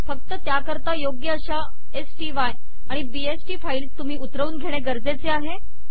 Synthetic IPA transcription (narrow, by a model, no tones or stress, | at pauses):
fək̚t̪ət̪jakəɾt̪ajoɡjəəɕa | esʈiʋaj | aɽ̃ibiesʈiːfailst̪um̤iːut̪ɾəʋuːnɡʱeɽ̃eɡəɾd͡zet͡seaɦe